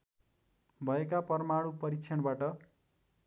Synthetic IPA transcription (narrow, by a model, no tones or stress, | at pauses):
bʱʌekapʌrmaɽupʌɾikt͡sʰʌɳbaʈʌ